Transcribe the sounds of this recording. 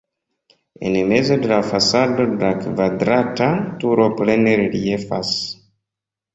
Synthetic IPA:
ḛnmezo̞delafasadodelakvadɾatatuɾopleneɾeɾiefa̰s

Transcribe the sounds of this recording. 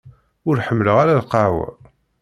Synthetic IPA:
ʊɾħəmːləʁaɾælqɑʕwæ̰

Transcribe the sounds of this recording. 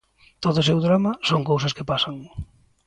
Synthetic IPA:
t̪oðʊsewðɾamasoŋkowsɐskepasaŋ

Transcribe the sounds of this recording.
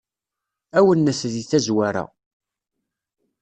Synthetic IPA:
æwənːæsðiθæzwaɾa̰

